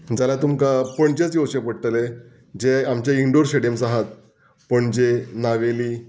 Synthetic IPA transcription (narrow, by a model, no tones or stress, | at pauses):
d͡zalat̪umkapəɳt͡ɕat͡soʋɕepəɽt̪əle | d͡ʑeamt͡ɕjaiɳɖoɾɕeɽemsaɦat̪̚ | pəɳd͡ʑenaʋeliː